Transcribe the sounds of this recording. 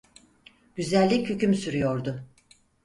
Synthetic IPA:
ɟ̥yzælʲːichycymsyɾyjo̞ɾd̪ʊ

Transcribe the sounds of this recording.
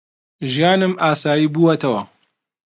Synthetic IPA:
ʒijaːnɨmʔaːsaːjiːbuːwɐt̪ʰɐwɐ

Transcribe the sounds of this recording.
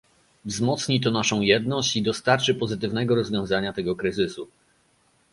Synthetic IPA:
vzmɔt̪sɲit̪ɔnaʂɔ̃w̃jɛd̪nɔɕt͡ɕid̪ɔst̪aɾt͡ʂɘpɔzɘt̪ɘvnɛɡɔɾɔzvʲjɔ̃w̃zaɲat̪ɛɡɔkɾɘzɘsu

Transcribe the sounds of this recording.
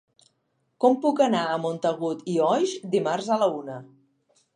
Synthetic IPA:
kɔmpukənaəmont̪əɣut̪iɔjʃd̪imarzələunə

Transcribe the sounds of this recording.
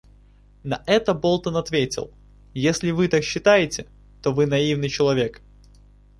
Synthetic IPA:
nɐʔɛt̪əbo̞lˠt̪ənɐt̪vʲetʲɪ̰lˠ | jesʲlʲɪvɨt̪akɕːɪt̪ajɪtʲɪ | t̪ovɨnɐivnɨjt͡ɕɪlˠɐvʲe̞k

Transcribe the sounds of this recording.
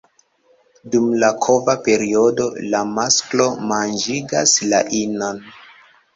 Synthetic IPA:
dumlakʰo̞vape̞ɾio̞do̞lamasklo̞mand͡ʒiɡasla̰ʔinan

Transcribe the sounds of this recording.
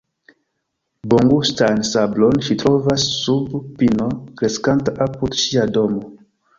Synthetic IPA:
boŋɡustansablonʃitɾo̞vasːubpinokɾe̞skantaʔapudʃiado̞mo

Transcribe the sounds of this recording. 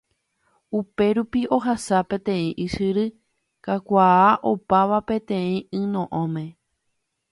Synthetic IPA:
upe̞ɾupio̞ɦasapẽ̞t̪ẽ̞ĩʔɨʃɨɾɨ | kakʷaaʔopaʋapẽ̞t̪ẽ̞ĩɨ̃nõ̞ʔõmẽ̞

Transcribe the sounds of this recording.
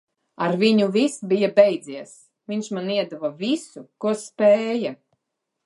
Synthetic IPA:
aɾvʲiɲuvʲisbʲijabʲɛjd̪ziɛs | vʲiɲʲʃmaniɛd̪avavʲisukuɔspɛːja

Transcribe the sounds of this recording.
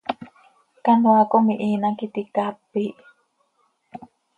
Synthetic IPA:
kanoakomiʔinakit̪ikapːiʔ

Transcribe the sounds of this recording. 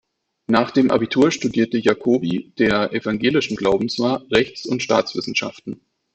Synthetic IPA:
naːχd̥eːmʔa̰bitʰuːɐʃtudiːɐtəjakʰoːbid̥eːɐʔɛfaŋɡeːlɪʃn̩ɡlaʊbm̩sv̥aːʁɛçt͡sʊntʃta̰ːt͡sv̥ɪsn̩ʃa̰ftn̩

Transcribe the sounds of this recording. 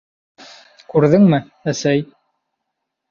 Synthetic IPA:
kʉɾðɘŋmɘ | æsæj

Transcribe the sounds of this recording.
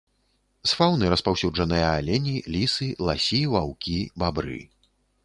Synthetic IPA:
sfawnɨɾɐspawsʲud͡ʐɐnɨjɐalʲɛnʲilʲisɨlˠasʲivawkʲibabɾɨ̰

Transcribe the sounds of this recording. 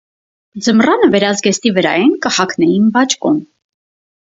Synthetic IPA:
d͡zəmrɑnəvɛɾɑzɡɛst̪ivəɾɑ̰jɛnkəhɑkʰnɛjinbɑt͡ʃkum

